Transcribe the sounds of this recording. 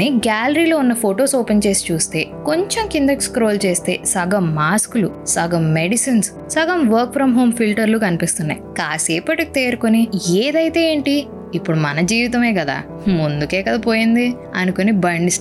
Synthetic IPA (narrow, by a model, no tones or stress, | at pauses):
iɡaːlɐɾiːloːunːɐpʰoːʈoːsoːpɐnt͡ʃe̞ːsi̥t͡ʃuːst̪e̞ːko̞ɲt͡ʃemkind̪ɐkskɾoːlt͡ʃe̞ːst̪e̞̰ːsɐɡɐmːaːskulusɐɡɐmːe̞ɖisins | sɐɡɐmʋɐɾk̚pɾɐmɦo̞ːmpʰilʈɐɾluːkɐnipist̪unːɐ̰jikaːseːpɐʈki̥t̪eːɾukonieːd̪ɐjt̪e̞ːeːɳʈiː | pːuɽumɐnɐd͡ʒiːʋit̪ɐme̞ːkɐd̪a̰ː | mund̪ukeːkɐd̪apoːjind̪i | ɐnukonibɐɳɖis